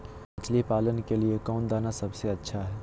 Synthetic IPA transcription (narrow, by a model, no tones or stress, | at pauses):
ət͡ʃlipaːlənkeliekɔʊnd̪aːnasəbseətːʃʰaɦɛː